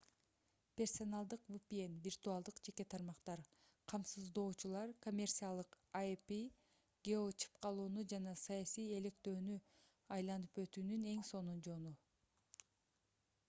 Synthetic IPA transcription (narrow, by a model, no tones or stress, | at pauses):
pʲe̞rso̞nɑlˠd̪ɯqvupʲienvʲirt̪uɑlˠd̪ɯqd͡ʒe̞ke̞t̪ʰɑɾmɑqt̪ɑɾ | qʰɑmsɯzd̪o̞ːt͡ʃulˠɑɾko̞mʲe̞rt̪sɨjalˠɯq | api | ɡʲeot͡ʃi̥pqʰɑlˠuːnud͡ʒɑnɑsɑjɑsije̞le̞kt̪ø̞ːny | ɑjlˠɑnɯpø̞t̪yːnyne̞ŋso̞nund͡ʒo̞nu